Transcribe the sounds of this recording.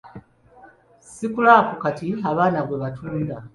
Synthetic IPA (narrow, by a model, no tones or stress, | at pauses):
sikulakukatiaβaːnaβwe̞βatʰuːnda